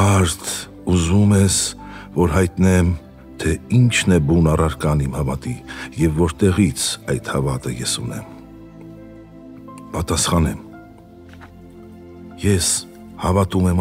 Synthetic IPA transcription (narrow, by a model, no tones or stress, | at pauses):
ɑɾt̪ʰ | uzumɛs | vɔɾɦɑjt̪nɛm | t̪ʰɛint͡ʃʰnɛbunɑrɑɾkɑnimhɑvɑt̪ijɛvːɔɾt̪ɛʁit͡sʰɑjt̪hɑvɑt̪əjɛsunɛ̰m | pɑt̪ɑsχɑnɛm | jɛs | hɑvɑt̪umɛm